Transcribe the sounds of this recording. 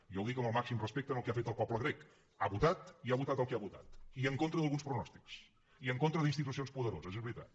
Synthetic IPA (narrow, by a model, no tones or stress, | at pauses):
iɔwðikəməlˠmaksimrəspek̚t̪ənəlˠkafet̪əlˠpɔpləɣ̞ɾek | aβut̪at̪iaβut̪at̪əlˠkeaβut̪a̰t̪iəŋkont̪ɾəðəlˠɣunspɾunɔst̪iks | iəŋkont̪ɾəðinst̪it̪usionspuðəɾo̰zəzɛzβɾit̪a̰t̪